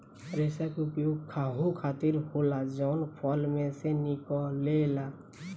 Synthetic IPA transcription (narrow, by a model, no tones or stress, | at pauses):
ɾesakʊpjoɡ̚kʰaɦokʰat̪iɾholad͡ʒɔnpʰɔlmẽsenikɔlela